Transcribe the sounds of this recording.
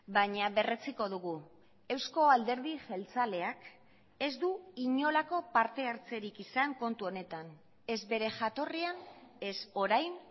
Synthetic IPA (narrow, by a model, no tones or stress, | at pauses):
baɲaβe̞re̞t͡siko̞ð̞uɣu | e̞wsko̞ald̪e̞ɾðixe̞lt͡sale̞ak | e̞zd̪uiɲo̞lako̞paɾt̪e̞aɾt͡se̞ɾikisaŋko̞nt̪uo̞ne̞t̪an | e̞zβe̞ɾe̞ʝat̪o̞riane̞so̞ɾajn